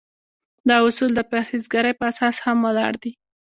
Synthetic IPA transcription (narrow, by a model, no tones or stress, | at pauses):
d̪ɑʊsuld̪əpaɾhizɡaɾəjpəasɑshamwalɑ̰ɽd̪i